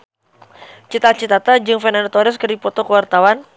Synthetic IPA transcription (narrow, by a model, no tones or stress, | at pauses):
t͡ʃit̪at͡ʃit̪at̪ad͡ʒɨŋfɛnanat̪ɔɾɛskɨrdipɔt̪ɔkəwart̪awan